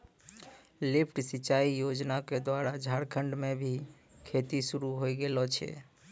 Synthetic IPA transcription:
lipʰʈsit͡ʃaijod͡ʒnaked̪waɾad͡ʒʱaɽkʰəɳɖmebʱi | kʰet̪isuɾuɦojɡelɔt͡ʃʰɛ̰

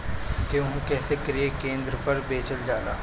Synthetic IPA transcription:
keʊ̃ɦũkɛːsekəɾiekẽːnd̪ɾəpɐɾbeːt͡ʃəld͡ʒaːlaː

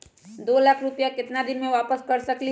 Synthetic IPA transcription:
d̪oːlaːkʰɾupjakɪt̪nad̪ɪnmẽʋaːpəskɐɾsɐkli

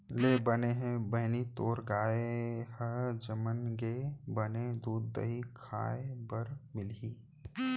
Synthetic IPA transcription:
leːbəneɦẽbɐɦnit̪oːɾɡaːehəd͡ʒəmənɡebɐned̪uːd̪̚ːə̰ɦikʰa̰ːebɐɾmɪliː

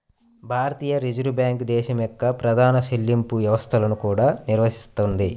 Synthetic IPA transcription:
bʱaːɾɐt̪iːjɐɾid͡ʒuɾubjaːŋkd̪ɛːʃɐmjɔkːɐpɾɐd̪ʱaːnɐʃelːimpuʋjɐʋɐst̪ʰɐlɐnukuːɽaːniɾʋɐsi̥st̪und̪i

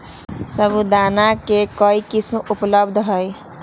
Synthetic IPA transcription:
səbud̪anakekəikismupləbd̪ʱɦəj

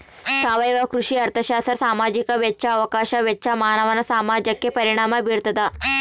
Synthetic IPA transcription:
saʋəjʋakɾuʂiːəɾt̪ʰəɕasəɾsamad͡ʑikəʋjetːɕʰaːʋəkaɕaʋjetːɕamaɦanəʋanasamad͡ʒəkːepəɾiɽ̃amabʱiɽt̪ət̪a

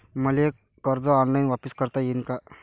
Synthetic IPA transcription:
məliekːəɾd͡zɔɔnlajnʋapiskəɾt̪ajenka

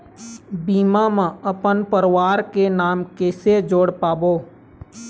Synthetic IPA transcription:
biːmamãəpənpəɾwaːɾkenaːmkeːsed͡ʒoːɽpaːboː

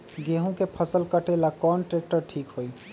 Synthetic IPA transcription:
ɡeːɦõkepʰəsəlkəʈelakɔːnʈɾeːk̚ʈəɾʈʰiːkɦoi

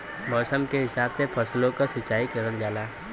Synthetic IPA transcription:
mɔːsəmkeɦɪsaːbsepʰɐslõkasɐt͡ʃːaːikɐɾəld͡ʒaːlaː

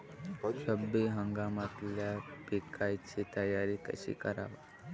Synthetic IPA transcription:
t͡ɕʰəbːiɦəŋɡamat̪ljapikʰajt͡ɕit̪əjaɾiːkə̰ɕḭːkəɾa̰ʋə

